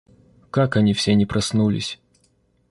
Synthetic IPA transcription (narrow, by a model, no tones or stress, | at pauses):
kakɐnʲifsʲenʲɪpɾɐsnulʲɪ̰sʲ